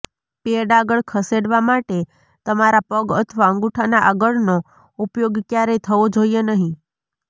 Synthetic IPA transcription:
peəɖaɡəɭkʰəseɽʋamaʈe | t̪əmaɾapəɡət̪ʰəʋaə̃ŋɡuʈʰanaʔaɡəɭno | upjoɡkjaɾet̪ʰəʋod͡ʒojenəɦĩ

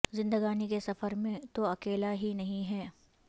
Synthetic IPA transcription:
zɪ̃nd̪əɡaːnikesɐfəɾmẽt̪oɐkeːlaɦinɐɦĩɦɛː

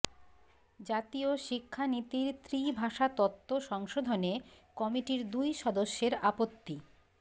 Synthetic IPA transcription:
d͡ʑat̪ioʃikʰːanit̪iɾt̪ɾibʱaʃat̪ɔt̪ːoʃɔŋʃod̪ʱonekɔmiʈiɾd̪ujʃɔd̪oʃːeɾapot̪ːi

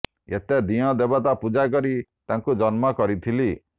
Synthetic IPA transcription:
ḛt̪ed̪iɔd̪ebat̪apud͡ʒak̬ɔɾit̪aŋkud͡ʒɔnmɔkɔɾit̪ʰili

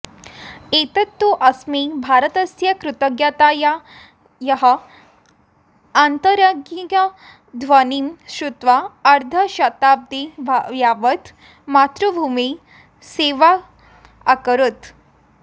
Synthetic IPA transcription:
et̪ət̪ːuʔɐsmebʱaɾət̪əsjɐkɾut̪əɡjat̪aja | jɐɦə | ant̪əɾəɡiɡə | d̪ʱʋənimɕɾut̪ʋaɐɾd̪ʱəɕɐt̪ab̚d̪iʋjaʋət̪ | mat̪ɾubʱumi | seʋa | akəɾut̪

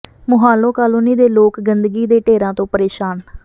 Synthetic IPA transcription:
mʊɦaːlõːkaːloːniːd̪eːloːkɡənd̪ɡiːd̪eːʈeːɾãːt̪õːpəɾeːʃaːn

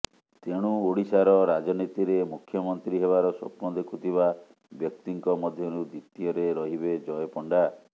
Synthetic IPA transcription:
t̪eɽ̃uoɽisaɾɔɾad͡ʒɔnit̪iɾemukʰjɔmɔnt̪ɾiɦeβaɾɔsɔ̰pnɔd̪ekʰut̪ʰiba | bjɔkt̪iŋkɔmɔd̪ʱjɔnud̪it̪ːijɔɾeɾɔɦibed͡ʒɔjɔpɔɳɖa

